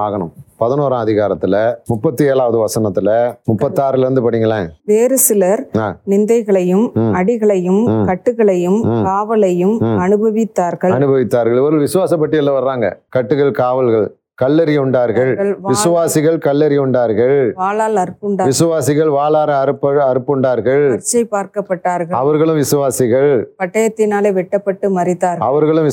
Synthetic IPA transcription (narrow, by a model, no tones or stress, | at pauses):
aːɣɐɳɯ̰mpɐðɪnoːɾãːɐðɪɣaːɾɐt̪ːɪlɐmʊpːɐt̪ːɯeːɭaːʋɐðɯʋɐsɐnɐt̪ːɪlɐmʊpːɐt̪ːɯaːɾɪlɐɾɯnd̪ɯpɐɽɪŋɡɐlãːʋeːɾɯsɪlɐɾa̰ːnɪnd̪ɐɪɣɐɭɐjɯmɐɽɪɣɐɭɐjɯmkɐʈːɯɣɐɭɐjɯmkaːʋɐlɐjɯmɐnɯbɐʋɪt̪ːaːɾɣɐɭɐnɯbɐʋɪt̪ːaːɾɣɐɭʋɐɾɯlʋɪsɯʋaːsɐp̬ːɐʈːɪɛlːɐʋɐɾɾaːŋɡɐ̰kɐʈːɯɣɐɭkaːʋɐlɣɐɭ | kɐlːɐɾɪjɯɳɖaːɾɣɐɭɐɭʋʋɪsɯʋaːsɪɣɐɭkɐlːɐɾɪjɯɳɖaːɾɣɐɭʋaːlaːlɐɾɯpːɯɳɖaːʋɪsɯʋaːsɪɣɐɭʋaːlaːɾɐɐɾɯpːɐɐɾɯpːɯɳɖaːɾɣɐɭɐɾt͡ʃːɐɪpaːɾkɐpːɐʈːaːɾɣɐɐʋɐɾɣɐɭɯmʋɪsɯʋaːsɪɣɐɭpɐʈːɐjɐt̪ːɪnaːleːʋɛʈːɐpːɐʈːɯmɐrɪt̪ːaːɾɣɐɐʋɐɾɣɐɭɯm